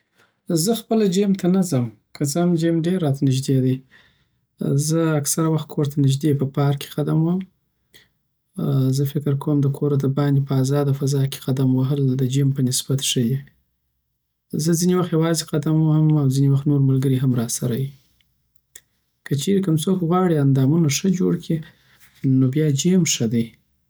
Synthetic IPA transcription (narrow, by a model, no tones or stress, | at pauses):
zəxpəlad͡ʒemt̪ʰanazəm | kʰət͡samd͡ʒemɖeɾːɑt̪anɪʒd̪ed̪əj | zəaksaɾawaxt̪̚kʰoɾt̪ʰanɪʒd̪epəpɑɾkʰe̥qad̪amwaəm | zəfɪkɪɾkʰowmd̪əkʰoɾad̪əbɑnd̪epəazɑd̪awfazɑke̥qad̪amwaɦəld̪əd͡ʒempənɪsb̥at̪ʂəd̪e | zəzinewaxt̪jawɑzeqad̪amwahəmawzinewaxt̪noɾmalɡəɾiɦamɾɑsaɾawi | kət͡ʃeɾekəmt͡sokɣwɑɽiand̪ɑmunaʂəd͡ʒoɽkʰi | nobjɑd͡ʒemʂəd̪əj